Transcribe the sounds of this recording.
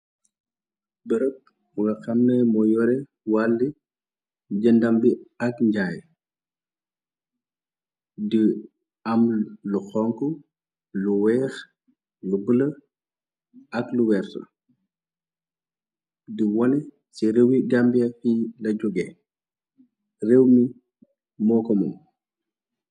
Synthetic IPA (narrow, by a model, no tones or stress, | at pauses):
bəɾək̚ | ɡɐxɐmnəmɔjɔɾɛ | walːi | ɟɐndɐmbiɐkɲɟaːj | di | ɐmluxɔŋku | luwɛːx | lubəlɐ | ɐkluwɛːrtɐ̰ | diwɔnɛ | siɾɛwiɟambiɐfilɐɟɔɡɛ | rewmi | mɔːkɔmɔ̰m